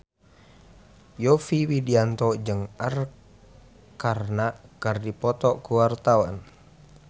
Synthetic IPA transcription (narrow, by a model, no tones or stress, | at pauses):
jɔfiwidiant̪ɔd͡ʒɨŋar | karnakərdipɔt̪ɔʔkuwart̪awan